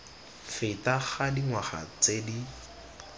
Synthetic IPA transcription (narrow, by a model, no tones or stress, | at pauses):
fɪtaχadiŋwaχa̰t͡sedi